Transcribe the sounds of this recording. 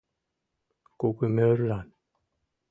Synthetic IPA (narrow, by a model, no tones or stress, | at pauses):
kokemeɾlan